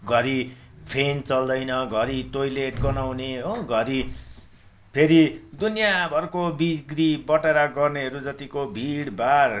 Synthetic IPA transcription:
ɡʱʌɾi | pʰent͡sʌld̪ʌjnʌɡʱʌɾiʈojleʈɡʌnawneɦoɡʱʌɾi | pʰeɾid̪unjabʱʌɾkobiɡɾibʌʈeɾaɡʌrneɦʌɾud͡zʌt̪ikobʱiɽbar

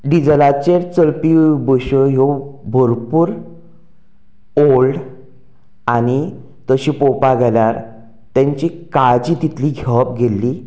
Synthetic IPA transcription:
ɖid͡zlat͡ɕeɾt͡səlpibəɕəjobʱoɾpuːɾ | olɖ | añi | t̪əɕipopaɡʱelaɾ | t̪ãɲt͡ɕikad͡ʑiːt̪it̪ʰliɡʱepɡʱelːi

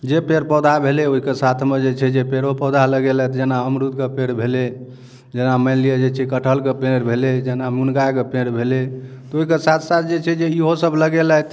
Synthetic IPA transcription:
d͡ʒepeɾpəd̪ʱabʱeleoɦikesat̪ʰmed͡ʒet͡ʃʰɛd͡ʒepeɾopəd̪ʱaləɡelajt̪ʰd͡ʒenaəmɾud̪̚kepeɽbʱele | d͡ʒenaməɪlijed͡ʒet͡ʃʰɛkəʈʰəlkepeɽbʱeled͡ʒenamunɡajkepeɽbʱele | t̪ɔoɦikesat̪ʰsat̪̚ʰd͡ʒet͡ʃʰɛd͡ʒeiɦosəbləɡelajt̪ʰ

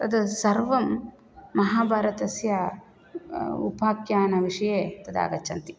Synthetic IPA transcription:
t̪ɐd̪ɐsɐɾʋɐmː | ɐɦaːbʱaːɾɐt̪ɐsjɐ | ṵbʱaːkjaːnɐʋiʂɐjeːt̪ɐd̪a̰ːɡɐt͡ʃːɐnt̪i̥

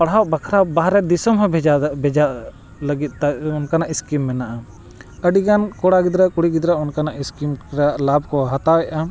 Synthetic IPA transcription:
paɽɦawʔbakʰɾabaɦɾɛd̪isɔmɦɔbd͡ʒabɛd͡ʒaʔ | ləɡit̪̚aɔnkanaʔiskimːɛnaʔa | əɖiɡankɔɽaɡid̪ɾaʔkuɽiɡid̪ɾaʔɔnkanaʔiskimɾaʔlab̚kɔɦat̪awɛʔa

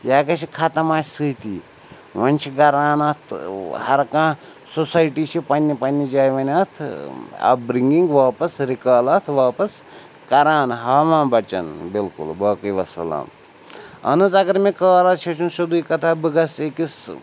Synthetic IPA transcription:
jaːkɐʃikʰat̪ɐmaːt͡ʃʰsɨːt̪iː | ʋɐnʲt͡ʃʰiɡɐɾaːnɐt̪ʰhɐɾkãː | sosɐjʈiːt͡ʃʰipɐnʲːipɐnʲːid͡ʒaːjʋɐnʲɐt̪ʰɐ̰bɾiŋɡiŋɡʋaːpɐsɾikaːlɐːt̪ʰʋaːpɐs | kɐɾaːnɦaːmãːbɐt͡ʃɐ̰nbilkṵlbɐːkɨjʋɐsɐ̰la̰ːm | ɐ̰nɨzɐɡɐɾmekaːɾɐt͡ʃʰɐt͡ʃʰunʃud̪uikɐt̪ʰaːbɨɡɐsekis

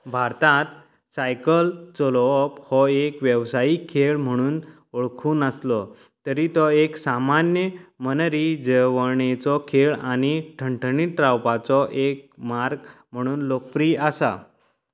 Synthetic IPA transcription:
bʱaɾt̪ãt̪̚ | sajkəlt͡sɔlɔphɔekʋjəʋsaikʰːeɭm̤əɽ̃uːn | oɭkʰuːnəslɔ | t̪əɾit̪ɔeksamanjəmənəɾid͡zəʋəɳet͡sɔkʰeɭañiʈʰəɳʈʰɳiʈɾawpat͡sɔʔek̚maɾɡ | m̤əɽ̃uːnlok̚pɾiasa̰

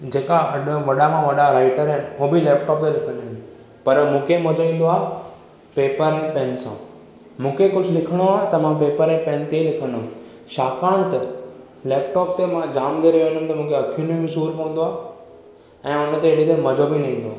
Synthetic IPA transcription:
d͡ʑeːkaɐɗʋɐɗamãʋɐɗaɾaːɪʈəɾɦɛnɪ̆mũːbɪlɛːpʈɔːp̪elɪkʰəniɦʊ̃n | pɐɾmũːkʰemɐd͡ʑoĩːn̆d̪oaːɦ | peːpəɾɛ̃ːpɛ̃ːnsã̰ː | mũːkʰekʊd͡ʑʱlɪkʰəɽ̃oaːɦet̪ɐmãpeːpəɾɛ̃ːpɛ̃ːnt̪eilɪkʰə̃nʊ | ʃaːkaːɽ̃t̪ɐ | leːpʈɔːp̚t̪emãd͡ʑaːmd̪eɾɐɦjoɦɪnʊm̆t̪ɐmũːkʰeɐkʰijũnĩmɪsuːɾpɐ̃ʋə̃n̆d̪oaː | ɛ̃ːʊnət̪eɪɽit̪emɐd͡ʑobinɐ̃ɦĩnd̪oaː

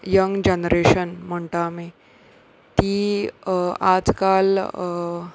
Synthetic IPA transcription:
jəŋɡd͡ʑənɾeɕənm̤əɳʈame | t̪i | ad͡zkal

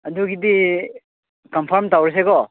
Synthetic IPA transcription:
ɐduɡidi | kɐmpʰɔɾmtawɾes̬eɡɔ

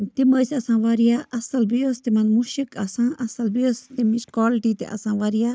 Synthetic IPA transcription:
t̪iməsɐsãːʋaɾijaʔɐsɐlbijəst̪imɐnmuʃikɐsãːʔɐsɐlbijəst̪imiʃkwaːliʈit̪ḛʔɐ̰sãːʋaɾija

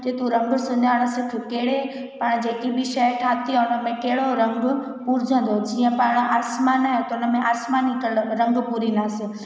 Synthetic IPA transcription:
d͡ʒeːt̪ũɾɐ̃ŋɡsʊɲaɪɽ̃əsɪk̪ʰukeːɽe | paɽ̃d͡ʑeːkibiʃɛʈʰaːt̪iʊnəmẽkeɦɽoɾɐ̃ŋɡ | puɾd͡ʒə̃n̆d̪od͡ʒiːə̃paɽ̃aːsmaːnaːɦet̪oʊnəmẽʔaːsmaːnikəɾɐ̃ŋɡpuɾinaːsɪ

